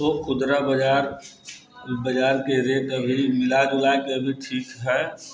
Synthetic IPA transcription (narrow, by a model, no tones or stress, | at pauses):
oxʊd̪ɾabəd͡ʒaːɾ | bəd͡ʒaːɾkeɾeːt̪əbʱimɪlaːd͡ʒʊlaːjkeɐbʱiʈʰiːkɦɛː